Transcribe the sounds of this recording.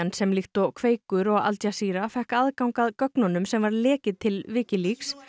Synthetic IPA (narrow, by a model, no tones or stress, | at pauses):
ansɛmlɪxt̪ɔkʰveːjkʏɾɔɣa̰lt̪jasiːɾafɛhkaðkawŋkaðkœknɔnʏmsɛmvaɾlɛːcɪt̪ʰɪlvɪːcɪliks